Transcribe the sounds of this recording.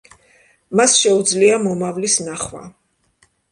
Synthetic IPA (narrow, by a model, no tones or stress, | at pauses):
masʃɛud̪zliamɔmavlisnaχwa̰